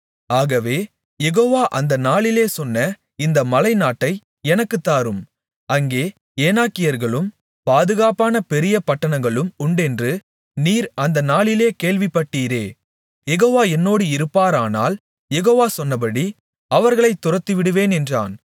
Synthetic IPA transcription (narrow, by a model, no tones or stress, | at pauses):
aːɣɐʋeː | jɛɣoːʋaːʔɐnd̪ɐnaːɭɪleːsɔnːɐ | ɪnd̪ɐmɐlɐɪnaːʈːɐɪ | ɛnɐkːɯt̪ːaːɾɯm | ʔɐŋɡeː | eːnaːkːɪjɐɾɣɐɭɯm | paːðɯɣaːpaːnɐpɛɾɪjɐpɐʈːɐnɐŋɡɐɭɯmʊɳɖɛndrɯ | niːɾɐnd̪ɐnaːɭɪleːkeːɭʋɪpːɐʈːiːɾeː | jɛɣoːʋaːɛnːoːɽɯɪɾɯpːaːɾaːna̰ːl | jɛɣoːʋaːsɔnːɐp̬ɐɽi | ɐʋɐɾɣɐɭɐɪt̪ːʊɾɐt̪ːiʋɪɽɯʋeːnɛndra̰ːn